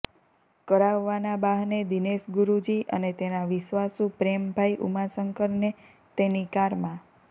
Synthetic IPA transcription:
kəɾaʋːanabaɦned̪ineʃɡuɾud͡ʒiʔə̰net̪enaʋɪʃʋasũpɾembʱajʔṵmasəŋkəɾne | t̪enikaɾmã

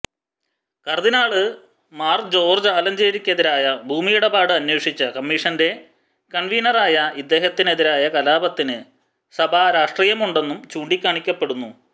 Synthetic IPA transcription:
kɐrðinaːɭɨ | maːrd͡ʑo̞ːrd͡ʑaːlɐmd͡ʑeːɾikʲːɐðiɾaːjɐbʱuːmijuɽɐbaːɽɨɐnwe̞ːʂit͡ɕːɐkɐmːiʂɐnde̞ | kɐɳʋiːnɐraːjɐid̪ːe̞ːɦɐt̪ːine̞ðiɾaːjɐkɐlaːbɐt̪ːinɨ | sɐbʱaːɾaːʂʈriːjɐmuɳɖe̞nːumt͡ɕuːɳɖikʲːaːɳikʲːɐpːe̞ɽunːu

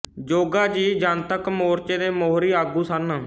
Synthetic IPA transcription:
d͡ʒoːɡaːd͡ʒiːd͡ʒaːnt̪əkmoːɾt͡ʃeːd̪eːmoːɾiːaːɡuːsən

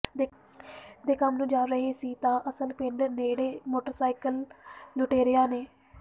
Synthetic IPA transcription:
e | d̪eːkəmnũːd͡ʒaːɾəɦeːsiːt̪ãːʔəsəlkɪɳɖneːɽeːmoːʈəɾsaːɪkəlloːʈeːɾɪjaːneː

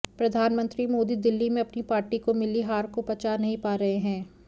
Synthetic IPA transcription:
pɾɐd̪ʱaːnmə̃nt̪ɾimoːd̪id̪ɪlːimẽɐpnipaːɾʈikomɪliɦaːɾkopɐt͡ʃaːnɐɦĩpaːɾɐɦeɦɛ̃ː

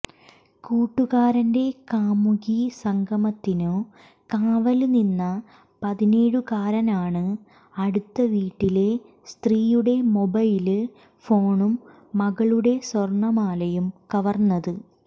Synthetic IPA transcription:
kuːʈːuɣaːɾɐnde̞kaːmuɣisɐŋɡʱɐmɐt̪ːino | kaːʋɐlninːɐ | pɐðine̞ːɻukaːɾɐnaːɳɨ | ɐɽut̪ːɐʋiːʈːile̞ | st̪riːjuɽe̞mo̞bɐjilɨ | fo̞ːɳumː | ɐɣɐɭuɽe̞swɐrɳɐmaːlɐjumkɐʋɐrnːɐðɨ

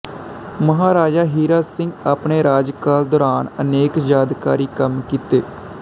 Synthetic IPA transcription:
məɦaːɾaːd͡ʒaːɦiːɾaːsɪŋɡaːpɳeːɾaːd͡ʒkaːld̪ɔːɾaːnəneːkd͡ʒaːd̪ka̰ːɾiːkəmkiːt̪eː

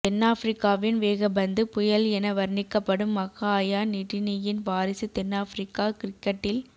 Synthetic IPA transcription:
t̪ɛnːaːfɾɪkːaːʋɪnʋeːɣɐbɐnd̪ɯpʊjɐlɛnɐʋɐɾɳɪkːɐpːɐɽɯmːɐɣaːjaːnɪʈːɪnɪjɪnʋaːɾɪsit̪ɛnːaːfɾɪkːaːkɪɾɪkːɐʈːɪl

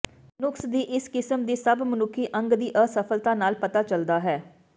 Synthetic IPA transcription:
nʊksd̪iːʔɪskɪsəmd̪iːsəbmənʊkʰːiːʔə̃ŋɡd̪iːʔəsəpʰəlt̪ãːnaːlpət̪aːt͡ʃəld̪aːɦɛː

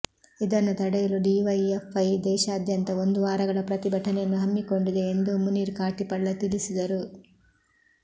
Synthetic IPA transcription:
id̪ɐnːut̪ɐɽɛjɐluɖiʋɐjefɐjd̪ɛːʃɐːd̪jɐnt̪ɐo̞nd̪uʋaːɾɐɡɐɭɐpɾɐt̪ibʱɐʈʰɐnejɐnːuɦɐmːiko̞ɳɖid̪e̞end̪umuniːɾkaːʈipɐɭːɐt̪ilisid̪ɐɾu

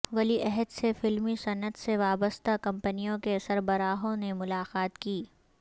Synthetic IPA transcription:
ʋɐliʔɛɦəd̪sefɪlmisɐnət̪seʋaːbəst̪akɐ̃mpənijõkesɐɾbɐɾaːɦõnemʊlaːqaːt̪kiː

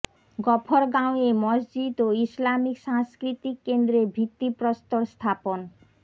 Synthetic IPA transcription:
ɡɔpʰoɾɡãwemɔsd͡ʑid̪oislamikʃaŋskɾit̪ikːend̪ɾeɾbʱit̪ːipɾost̪oɾst̪ʰapon

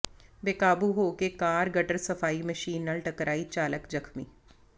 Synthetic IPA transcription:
beːkaːbuɦoːkekaːɾɡɐʈəɾsɐfaːimɐʃiːnɐlʈɐkɾʔaːit͡ʃaːləkd͡ʒɐkʰmiː

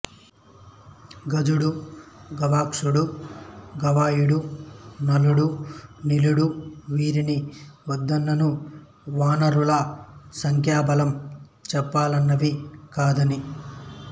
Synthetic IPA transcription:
ɡɐd͡ʒuɽuɡɐʋaːkʂuɽu | ɡɐʋaːjuɽunɐluɽuniluɽuʋiːɾiniʋɐd̪ːɐnːɐnu | ʋaːnɐɾulɐsɐŋkʰjaːbɐlɐmt͡ʃɛpːaːlɐnːɐʋikaːd̪ɐni

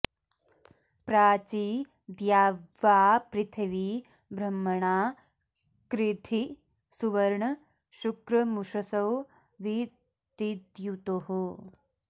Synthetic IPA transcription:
pɾaːt͡ʃiː | d̪jaːʋːaːpɾit̪ʰɐʋi | bɾɐmːɐɳaː | kɾit̪ʰi | suʋɐɾɳɐ | ʃukɾɐmuʂɐsɐw | ʋi | t̪id̪jut̪oɦu

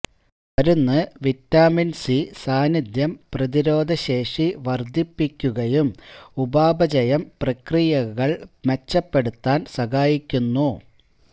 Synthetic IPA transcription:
ʋɐɾunːɨʋitːaːminsisaːnid̪jɐmprɐðiɾo̞ːd̪ʱɐɕe̞ːʂiʋɐrd̪ʱipːikʲːuɣɐjumubaːbɐd͡ʑɐjɐmprɐkrijɐɣɐɭmet͡ɕːɐpːe̞ɽut̪ːaːnsɐɣaːjikʲːunːu

